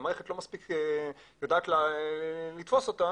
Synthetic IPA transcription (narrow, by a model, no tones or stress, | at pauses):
maʁeχetlo̞maspikejodaːt̪la | lit̪fo̞so̞t̪a